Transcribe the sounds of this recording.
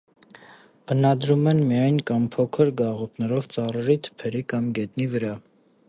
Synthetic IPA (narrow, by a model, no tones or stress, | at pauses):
ənɑd̪ɾumɛnmijɑjnkɑmpʰɔkʰəɾɡɑʁut̪nɛɾɔvt͡sɑrəɾit̪ʰə̥pʰɛɾikɑmɡɛt̪nivəɾɑ